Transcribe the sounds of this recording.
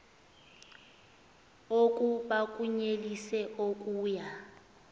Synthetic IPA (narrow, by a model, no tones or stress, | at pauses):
okʼuɓakʼuɲelisɛʔokʼuːja